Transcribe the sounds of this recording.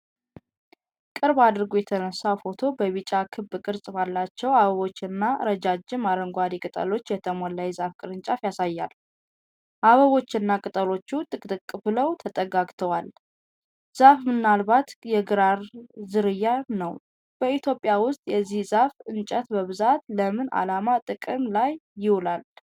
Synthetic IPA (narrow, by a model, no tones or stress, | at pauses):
kʼɨɾbad̪ɨɾɡojɛt̪ʰənəsːawfo̞t̪ʰo̞bəβit͡ʃʼakʰɨbːɨkʼɨɾsʼbalːat͡ʃːɛwaβəβo̞t͡ʃːɪnːaɾəd͡ʒad͡ʒːɪmːaɾəŋɡʷad̪ikʼɨt̪ʼə̰lo̞t͡ʃːjɛt̪ʰəmɔlːajzafkʼɨɾɨnt͡ʃʼafjasajːal | ʔaβəβo̞t͡ʃːɪnːakʼɨt̪ʼəlo̞t͡ʃːut̪ʼɨkʼt̪ʼɨkʼːɨfləwt̪ʰət̪ʼəɡaɡt̪ʰəwal | z̥afmɨnːalbat̪jɛɡɨɾaɾzɨɾɨjːanəw | b̥əit̪ʰjo̞pʼːjawʊst̪ʼjɛzːihzafɨnt͡ʃʼət̪bəβɨzat̪ləmɨnʔa̰lamat̪ʼɨkʼɨmlajːɪwlal